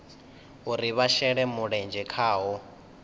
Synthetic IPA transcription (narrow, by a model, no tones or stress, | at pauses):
ɦuɾiβaʃɛɺɛmuɺɛnd͡ʒɛkʰaːɦɔ